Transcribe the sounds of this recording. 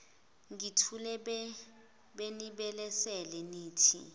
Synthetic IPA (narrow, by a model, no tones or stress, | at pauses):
ŋitʰulɛ | ɓeniɓɛlɛsɛlɛniːtʰḭ